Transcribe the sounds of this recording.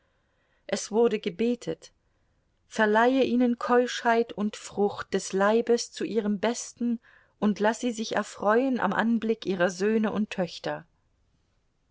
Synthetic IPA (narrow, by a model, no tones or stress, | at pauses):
ʔɛsv̥ʊɐɾəɡəbeːtʰət | fɛɐlaɪəʔiːnənkʰɔlʃhaɪtʰʊntfʁ̥ʊxt̚d̥ɛslaɪbəst͡suʔiːʁ̞əmbɛstn̩ | ʔʊntlasz̥iːzɪçɛ̰ɐfʁ̥ɔʏənʔa̰mʔa̰nblɪkʔiːʁɐzøːnəʔʊntʰːœçtɐ